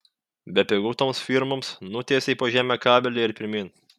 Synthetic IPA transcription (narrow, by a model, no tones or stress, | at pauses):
bʲɛpʲɛɡuːt̪oːmsfʲiɾmomsnʊt̪ʲeːsʲiːpoːʒʲæːmʲɛkɑːbʲɛlʲeɪɾpʲɪɾʲmʲiːn